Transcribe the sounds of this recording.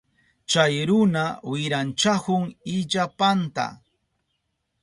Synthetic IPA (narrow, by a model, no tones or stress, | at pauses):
t͡ʃajɾʊnawɪɾant͡ʃahʊŋɪʎapant̪a̰